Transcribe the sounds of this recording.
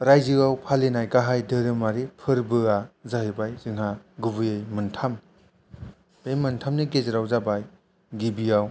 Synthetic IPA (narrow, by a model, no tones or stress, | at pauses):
ɾajzɯawpʰalenajɡaɦajdɯɾɯmaɾipʰɯɾbɯazaɦɯbajzɯŋɦaɡuβɯjejmɯntʰam | ejmɯntʰamniɡezɯɾawzabaj | ɡibijaw